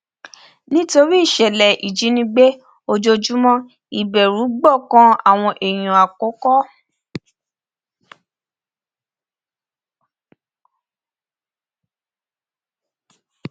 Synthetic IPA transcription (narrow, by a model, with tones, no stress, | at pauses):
nĩ˦to˧ɾi˦i˦˨ʃɛ˨lɛ˨ʔi˨d͡ʒi˨˦nĩ˧ɡ͡be˦ | o˧d͡ʒo˧d͡ʒu˦mɔ̃˦ | i˨bɛ˨ɾu˨˦ɡ͡bɔ˦˨kã˦a̰˦˨w̃ɔ̃˧ʔe˨j̃ũ˨a˨ko˨˦kɔ˦